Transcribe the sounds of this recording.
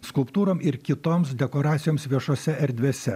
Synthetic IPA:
skʊlˠpt̪uːɾoːmʔɪɾkʲɪt̪oːms̬d̪ʲɛkoːɾɑːt̪sʲɪjoːmsʋʲiɛʃoːsʲɛʔɛɾʲd̪ʲʋʲeɛsʲɛ

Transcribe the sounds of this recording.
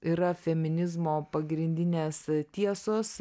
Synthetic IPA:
iːɾɐfʲɛmʲɪnʲɪzmoːpɐɡɾʲɪnʲd̪ʲɪnʲeːst̪ʲiɛsoːs

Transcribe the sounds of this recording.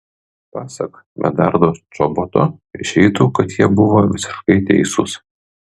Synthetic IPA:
pɑːsɐk | mʲʔɛ̰d̪ɑɾd̪oːt͡ʃɔbɔt̪oːɪʃʲɛɪt̪uːkɐt̪jiɛbʊʋoːʋʲɪsʲɪ̥ʃkɐɪt̪ʲɛ̰ɪsʊs

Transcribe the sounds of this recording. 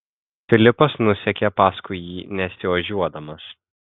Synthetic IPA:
fʲɪlʲɪpɐsnʊsʲɛkʲɛpɑːskʊɪjiːnʲɛsʲɪʋɐʒʲuɔd̪ɐmɐs

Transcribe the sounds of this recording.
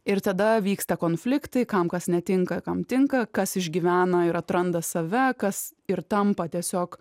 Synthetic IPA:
ɪɾt̪ɐd̪ɐʋʲiːkst̪ɐkoːnfʲlʲɪkt̪ɐɪkɐmkɐsnʲɛt̪ʲɪŋkɐkɐmt̪ʲɪŋkɐkɐsɪʒʲɡʲiʋʲæːnɐɪɾɐt̪ɾɐnd̪ɐsɐʋʲɛkɐsɪɾt̪ɐmpɐt̪ʲiɛsʲoːk

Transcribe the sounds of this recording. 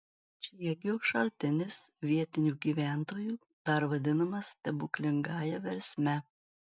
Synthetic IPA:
t͡ʃʲɛjɛɡʲɪʊʃɐlʲt̪ʲɪnʲɪsʋʲiɛt̪ʲɪnʲuːɡʲiːʋʲæˑnt̪oːjuː | d̪̥ɐɾʋɐd̪ʲɪnɐmɐst̪ʲɛbʊklʲɪŋɡɑːjɛʋʲɛɾʲsʲmʲɛ

